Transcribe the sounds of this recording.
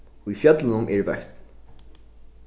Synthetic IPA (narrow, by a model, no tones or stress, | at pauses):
ifjœt̪ləɪnʊmʔɛɹvœht̪n